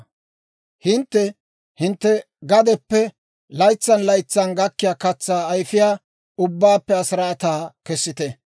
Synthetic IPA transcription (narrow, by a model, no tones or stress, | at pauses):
hɪnt̪ːɛ | hɪnt̪ːɛ | ɡɐd̪ɛpːɛ | lɐjt͡sːɐnlɐjt͡sːɐnɡɐkːɪjaːkɐt͡sːaːjfɪjaː | ʊbːaːpːɛɐsɾaːt̪aːkɛsːɪt̪ɛ